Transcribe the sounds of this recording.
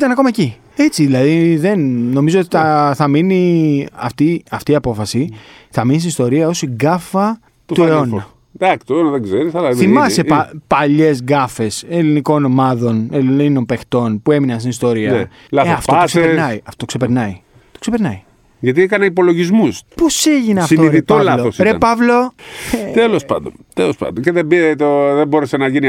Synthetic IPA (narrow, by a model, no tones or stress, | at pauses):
t̪ɐnɐko̞mɐeci | e̞t͡siðilɐðiðe̞nːo̞mizo̞ot̪iθɐθɐminiɐ̰ft̪iɐft̪iɐpo̞fɐsi | θɐminis̬inist̪o̞ɾiɐo̞siɡɐfɐ | t̪ueo̞nɐ | d̪ɐkt̪ueonɐðeɡzeɾisɐlɐθimmɐse̞ɐpɐʎe̞zɣɐfe̞se̞liniko̞no̞mɐðo̞nelinino̞mpe̞xt̪o̞npue̞minɐnst̪inist̪o̞ɾiɐ | lɐɐftoɐokseeenɐiɐft̪ot̪oksepeɾnɐi | t̪o̞ksepeɾnɐi | ʝɐt̪̬iekɐneipo̞lo̞ʝizmuspo̞seʝineɐfsit̪oiðit̪olɐloosɾepɐvlo̞ | t̪elo̞spɐ̰nd̪ont̪elospɐ̰nd̪oceðebit̪oðebo̞ɾesenɐʝini